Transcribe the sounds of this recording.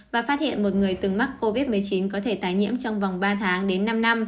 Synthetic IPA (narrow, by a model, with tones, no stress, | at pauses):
vaː˨˩faː˦˥t̚hḭ˧˨ənmo˨˩t̚ŋɨ˨˩əjt̪ɨ˨˩ŋma˦˥k̚ko˧vi˦˥t̚mɨ˨˩əjt͡ɕi˨˦nkɔ˨˦t̪ʰe˧˩t̪aː˨˦jɲḭ˧˥əmt͡ɕɔ˧wŋ͡mva˨˩wŋ͡mɓaː˧t̪ʰaː˨˦ŋɗe˨˦nːa˧mna˧m